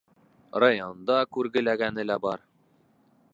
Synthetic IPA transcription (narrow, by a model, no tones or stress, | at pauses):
rajond̪ɑkʉɾɡɘ̆læɡænɘ̆læbɑɾ